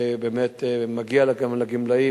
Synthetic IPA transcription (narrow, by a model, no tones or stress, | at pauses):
ebeːmet̪maɡialaɡamlaɡimlai